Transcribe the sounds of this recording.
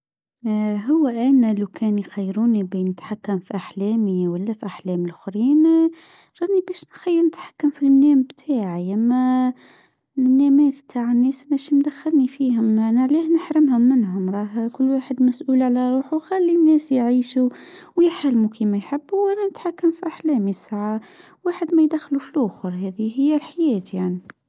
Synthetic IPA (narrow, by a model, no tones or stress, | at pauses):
ɦʊwːæʔænælawkʰɛːnjxajːɾuːnibiːnɪt̪ħakːamfiʔaħlɛːmiwælːæfiʔaħlɛːmɪlxɾiːn | ɾˤɑːnibɛːʃnxajːəɾnɪt̪ħḁkːamfilmnæːmbt̪ʰaːʕaʔæmːæ | mnːæːmɛːt̪b̚t̪ʰaʕənːɛːsʔænæʃmd̪æxːaɾnifiːɦʊmnaʕliːhnəħɾɪmhʊmːɪnɦʊmɾˤɑːɦakʊlːwaːħəd̪mæsʔuːlʕalæɾˤuːħuxælːinːɛːsjʕiːʃuwjɪħalmukimæjħɪbːʔælænət̪ħakːamfiʔaħlɛːmjəsʕawaːħəd̪mæjd̪æxlufilʔʊxɾˤhɛːðiɦɪjːælħajɛːt̪jaʕni